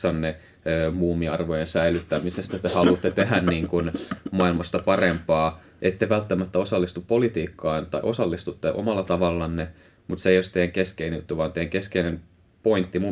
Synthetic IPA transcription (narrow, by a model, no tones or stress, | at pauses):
ɑnːe | øːmuːmːiɑrʋojensæilyt̪ːæmisest̪æt̪ehɑlut̪ːet̪eɦænniːŋkunmɑilmɑst̪ɑpɑrempɑː | ʔet̪ːeʋælt̪ːæmæt̪ːæosɑlːist̪uppolit̪iːkːɑːnt̪ɑ̰iʔo̞sɑlːist̪ut̪ːeʔo̰mɑlːɑt̪ɑʋɑlːɑnːe | mut̪seijost̪ejæŋkeskeinejut̪ːuʋɑːnt̪ejæŋkeskeinem | point̪ːimu